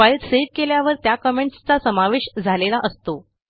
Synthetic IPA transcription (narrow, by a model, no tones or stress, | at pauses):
ait̪seʋkeljaʋəɾt̪jakəmeɳʈst͡sasəmaʋeɕd͡zʱalelaʔəst̪o